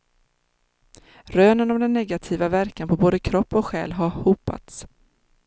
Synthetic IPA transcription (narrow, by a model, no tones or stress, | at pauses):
ɾøːnənɔmd̪ɛnːɛɡat̪ʰiːvavæɾkanpʰɔboːd̪əkʰɾɔpːɔkɧɛ̰ːlɦaɾhuːpa̰t̪s